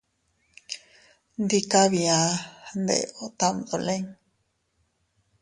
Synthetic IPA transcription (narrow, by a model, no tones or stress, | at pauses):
nd̪ikaβiand̪ḛot̪amd̪oleŋ